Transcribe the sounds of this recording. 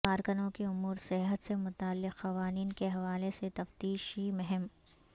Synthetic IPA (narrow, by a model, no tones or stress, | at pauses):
aːɾkʊnõkiʊmuːɾsɪɦət̪semʊt̪aːlːɪqxɐʋaːniːnkeɦɐʋaːleset̪ɐft̪iːʃɦimʊɦɛm